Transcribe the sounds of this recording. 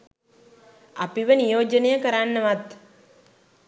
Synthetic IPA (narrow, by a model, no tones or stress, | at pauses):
apiʋənijoːd͡ʒənejəkəɾanːəʋat̪